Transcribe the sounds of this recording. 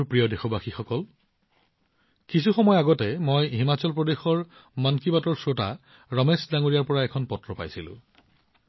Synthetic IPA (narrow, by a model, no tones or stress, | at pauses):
pɹijɔdexɔbaxixɔkɔl | kisuxɔmɔjaɡɔtɛmojɦimat͡ɕɔlpɹɔdexɔɹ | mankibatɔɹsota̰ | ɹɔmesdaŋoɹijaɹpɔɹaɛkʰɔnpɔtɹɔpa̰jsilʊ̰̃